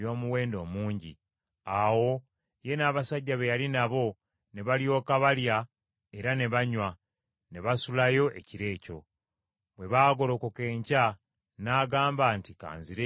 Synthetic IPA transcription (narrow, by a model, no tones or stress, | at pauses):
jo̞ːmuwe̞ːndo̞ːmuːɲɟḭ | awo̞ | je̞naːβasaɟːaβejalinaβo̞ | ne̞βaljo̞ːkaβalja | e̞ɾane̞βaɲwa | ne̞βasulajo̞ʔe̞̰ciɾe̞ːco̞̰ | βwe̞βaːɡo̞lo̞koke̞ːɲca | naːɡaːmbaːntika̰ːnziɾe